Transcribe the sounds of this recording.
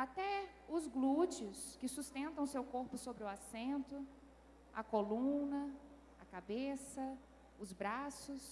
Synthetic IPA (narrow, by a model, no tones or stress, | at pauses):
at̪ɛ | ʊzɡlut͡ʃiʊskɪsust̪ẽnt̪ɐ̃w̃ʊsewkoɾpʊsobɾɪʊasẽnt̪ʊ | ɐ̰kolũnɐ | ɐkabesɐ | ʊzbɾasʊs